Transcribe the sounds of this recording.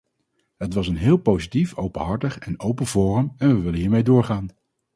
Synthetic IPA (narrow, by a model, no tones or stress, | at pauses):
ɦətʋɑsənɦɪːlˠpowzitifowpənɦɑɹtəχɛnowpənvʊːrəmɛnʋəʋɪlənɦiːɹmejdʊːɹχaːn